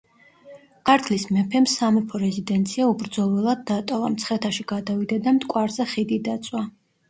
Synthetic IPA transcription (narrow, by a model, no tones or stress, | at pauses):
kʰʼaɾt̪ʰlismɛpʰɛmsamɛpʰɔɾɛzid̪ɛnt̪sʰiaubɾd̪zɔlˠɛlˠad̪̚ːat̪ʼɔvamt̪sʰχɛt̪ʰaʃiɡ̥ad̪avid̪ad̪amt̪ʼkʼwaɾzɛχid̪id̪at̪sʼwa